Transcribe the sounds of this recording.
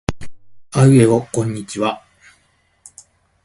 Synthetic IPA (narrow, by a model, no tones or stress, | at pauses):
aɯ̟e̞okõ̞ɲ̟ːit͡ɕiβa